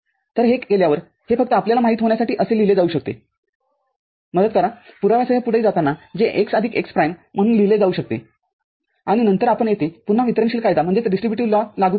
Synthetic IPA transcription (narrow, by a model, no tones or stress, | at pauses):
t̪əɾɦekkeljaʋəɾ | hefək̚t̪əapljalamaɦiːt̪ɦoɳjasaʈiːʔəseliled͡zauɕək̚t̪ḛ | məd̪ət̪kəɾapuɾaʋjasəɦjapuɽəːd͡zat̪anːad͡zeʔeksad̪ʱiːkekspɾajmm̤əɽ̃ũːnliled͡zauɕək̚t̪ḛ | aɽ̃inənt̪əɾapəɳjet̪epun̤aʋit̪əɾəɳɕiːlkajd̪am̤əɳd͡zet̪ɖisʈɾibjuʈiʋlalaɡuː